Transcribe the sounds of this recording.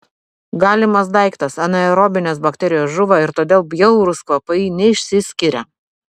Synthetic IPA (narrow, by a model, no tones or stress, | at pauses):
ɡɑːlʲɪmɐsd̪ɐɪkt̪ɐsɐnʲɐɛɾɔːbʲɪnʲeːs̬bɐkt̪ʲɛɾʲɪjoːsʒʊʋɐɪɾt̪oːd̪ʲeːlˠbʲjɛʊɾʊskʋɐpɐɪnʲɛɪʃʲsʲɪsʲkʲɪɾʲɛ